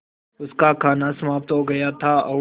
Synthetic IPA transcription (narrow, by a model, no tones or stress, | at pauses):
ʊskakʰaːnasɐmaːbt̪ɦoɡɐjat̪ʰaɔː